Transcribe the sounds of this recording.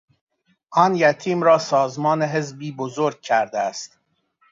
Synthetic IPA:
ʔɒːnjæt̪ʰiːmɾɒːsɒːzmɒːneɦe̞zbiːbozoɾɡ̚cʰæɾd̪eæst̪

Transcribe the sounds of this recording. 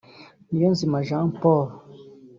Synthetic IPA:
lijɔ̃zimaʒãpɔɾ

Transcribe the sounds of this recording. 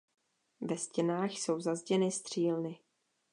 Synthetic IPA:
vɛscɛnaːxso̞wzazɟɛnɪst̪r̝̥iːlnɪ

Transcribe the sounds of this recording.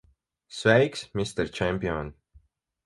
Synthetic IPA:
svɛjksmist̪ɛɾt͡ʃæmpʲion

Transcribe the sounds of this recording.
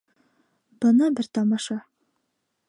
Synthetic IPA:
b̥ɤnɑbɘɾt̪ɒmɑʃɑ

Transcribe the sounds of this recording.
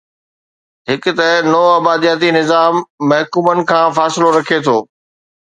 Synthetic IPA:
ɦɪkʊ̆t̪ɐɦnɔːaːbaːd̪ijaːt̪̬inɪzaːmːɐɦkuːmənɪ̆kʰãːfaːsɪloɾɐkʰet̪ʰoː

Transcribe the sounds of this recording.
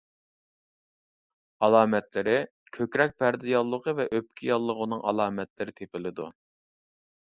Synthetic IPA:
ɑlˠɑːmɛt̪lɪɾɪ | kʲʰøkʲɾɛk̚ʲpʰæɾd̪ɪjɑlˠːəqəvɛʔøp̚kʲʰijɑlˠːəʁʊnɨŋʔɑ̰lˠɑːmɛt̪lɪɾɪt̪ʰepɪlɪd̪ṵ

